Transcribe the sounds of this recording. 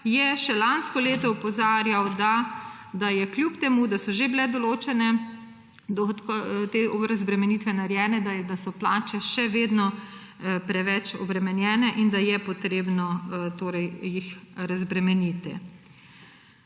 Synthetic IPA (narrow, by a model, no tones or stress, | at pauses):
jɛʃɛlanskɔleːt̪ɔɔpɔzaːɾjawd̪a | d̪ajɛkljupt̪ɛmud̪asɔʒeblɛd̪ɔloːt͡ʃɛnɛ | d̪ɔt̪kt̪eɔɾazbɾɛmɛniːt̪ʋɛnaɾjɛːnɛd̪ad̪asɔplaːt͡ʃɛʃɛʋeːd̪nɔ | pɾɛʋɛt͡ʃɔ̰bɾɛmɛnjɛːnɛʔind̪ajɛpɔt̪ɾeːbnɔt̪oːɾɛjjixɾazbɾɛmɛnit̪ḭ